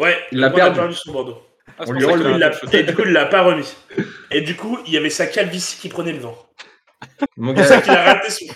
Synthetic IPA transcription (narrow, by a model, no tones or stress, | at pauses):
wɛilak̪apɛʁd̪ysɔ̃bɔʁd̪õ | ilːaed̪ykuilːapaʁəmied̪ykuiljavɛsakʲapvisi̥kʲipχənɛlvɑ̃ | sakʲilaʁat̪es